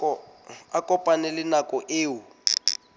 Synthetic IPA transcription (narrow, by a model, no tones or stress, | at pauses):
akʼɔpʼanɛlɪnakʼɔʔeːu